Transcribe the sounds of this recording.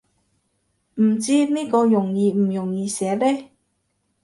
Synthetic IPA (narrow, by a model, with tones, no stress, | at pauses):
m̩˨˩t͡siː˥niː˥kɔː˧jʊ˨˩ŋjiː˧m̩˨˩jʊ˨˩ŋjiː˨˧sɛː˨˥lɛː˥